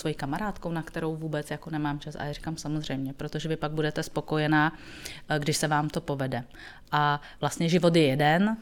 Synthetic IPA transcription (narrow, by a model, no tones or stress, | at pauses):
svojikamaɾaːt̪ko̞wnakt̪ɛɾo̞wvuːbɛt͡sjako̞nɛmaːmt͡ʃasa̰ɛri̥kamsamozr̝ɛjmɲɛpɾot̪o̞ʒɛvɪpaɡ̚budɛt̪ɛspo̞ko̞jɛnaː | ɡdɪʃsɛvaːmt̪o̞po̞vɛdɛ | ʔa | vlast̪ɲɛʒɪvo̞t̪̬jɛjɛdɛn